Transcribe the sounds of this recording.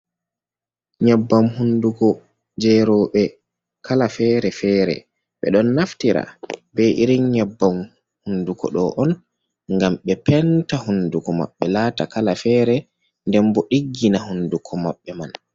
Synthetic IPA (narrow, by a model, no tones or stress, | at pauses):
ɲɛbːamhundukɔ | d͡ʒɛɾɔːɓɛ | kʰalafɛːɾɛfɛːɾɛ̰ | ɓɛ̰ɗɔnːaftiɾa̰bɛʔiɾiɲɲɛbːam | hundukɔ̰ɗɔʔɔn | ŋɡamɓɛpɛntahundukɔma̰ɓːɛlaːtakalafɛɾɛ | ndɛmbɔɗiɡːinahundukʰɔmaɓːɛman